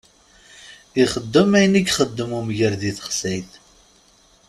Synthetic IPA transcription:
iχəd̪ːəmæjniɡχəd̪ːəmumʝəɾðiθə̥χsæjθ

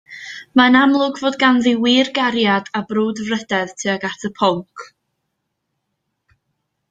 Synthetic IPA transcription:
maənamlˠʊɡvoːd̚ɡanðiwiːrɡaɾjadabruːdvrəd̥ɛðtʰɨaɡatʰəpʰɔŋkʰ

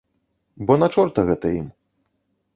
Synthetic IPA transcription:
bɔnat͡ʂɔrt̪ɐɣɛt̪ɐim

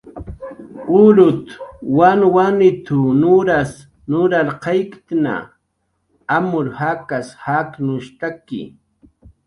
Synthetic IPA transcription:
ʊɾʊt̪wanwanɪt̪ʊnʊɾas | nʊɾaɾqajkt̪na̰ | amʊɾhakashaknʊʃt̪akɪ̰

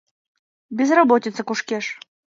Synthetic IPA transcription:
bʲɪzrabɔtʲɪt̪səkuʂkʲɛʂ

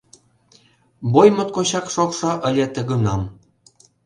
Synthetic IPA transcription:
bojmŏt̪̚koɕɑkʃokʃŏʔə̆lʲet̪ə̆ɣŭnɑm

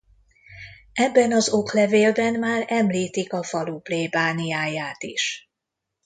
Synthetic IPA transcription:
ɛbːɛnɒzo̞klɛveːlbɛnmaːrɛmliːt̪ikɒfɒlupleːbaːnijaːjaːt̪iʃ

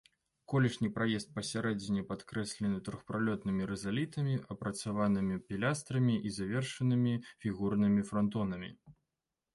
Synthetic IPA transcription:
kɔlʲiʂnʲipɾajɛst̪̚pɐsʲaɾɛd͡zʲinʲɛpat̪kɾɛsʲlʲɛnɨt̪ɾuxpɾalʲɔt̪nɨmʲiɾɛzalʲit̪ɐmʲiʔɐpɾɐt̪savanɨmʲipʲilʲast̪ɾɐmʲiʔizavʲɛrʂɐnɨmʲifʲiɣurnɨmʲifɾant̪ɔnɐmʲḭ

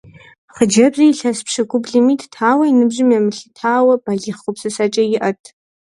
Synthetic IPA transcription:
χəd͡ʒɐbzijːɬɐspʂɨɡʷʊbɮimiːttʰaːwɐinɨbʑɪmjamɨɬɨtʰaːwɐb̥aɮʲɪχʷʊpsɨsat͡ʃʼɐjɪʔɐtʰ

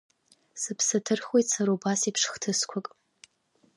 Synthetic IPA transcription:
sɨpʰsɨtʰɨrχwejtʼsaɾobasipʰʂχtʰɨskʷʰakʼ

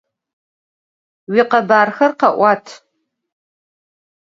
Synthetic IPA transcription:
wiqɐbaːrxɐrqɐʔʷatʰ

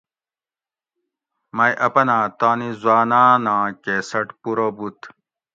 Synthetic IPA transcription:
mɐjʔɐpɐnãːt̪aːnizwaːnaːnãːkesɐʈpuɾobut̪

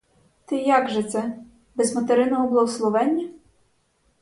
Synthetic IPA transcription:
t̪ɪjaɡʒɛt̪sɛ | bɛzmɐt̪eɾɪnɔɔblˠɔwslˠɔʋɛnʲːɐ

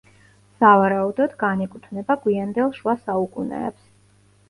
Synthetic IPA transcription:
savaɾaud̪ɔd̪ɡanɛkʼut̪ʰnɛbaɡwiand̪ɛlˠʃuasaukʼunɛ̰ːps

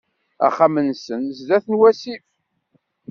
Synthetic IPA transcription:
æ̰χːamənsənzðæθənwæsif

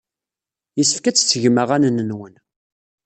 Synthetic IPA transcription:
jəsə̥fkæt͡sːt͡sːəʝməʁænənənwən

